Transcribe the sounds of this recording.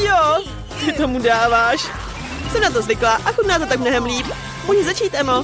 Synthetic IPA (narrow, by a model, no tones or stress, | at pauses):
jo | t̪ɪt̪omudaːvaːʃ | sɛmnat̪ozvɪklaːʔakut̪naːt̪ot̪ak̚mnoɦɛmliːp | muʒɛzat͡ʃiːt̪ano